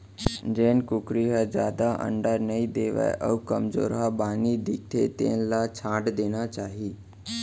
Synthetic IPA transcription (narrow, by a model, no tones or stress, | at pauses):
d͡ʒeːnkʊkɾiɦəd͡ʒjaːd̪aʔə̰̃ɳɖəɾnəid̪eːʋa̰ʔə̰ʋkəmd͡ʒo̰ːɾɦabaːnid̪ɪk̚t̪ʰet̪ḛ̃ːnlat͡ʃʰãːʈd̪eːnat͡ʃaːɦiː